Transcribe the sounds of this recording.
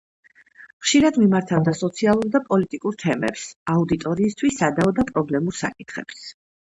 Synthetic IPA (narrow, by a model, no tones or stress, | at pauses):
χʃiɾad̪mimaɾt̪ʰavd̪asɔt̪sʰialˠuɾd̪apʼɔlit̪ʼikʼuɾt̪ʰɛmɛ̰psaud̪it̪ʼɔɾiːst̪ʰwisːad̪aɔd̪apʼɾɔblɛmuɾsa̰kʼit̪ʰχɛ̰ps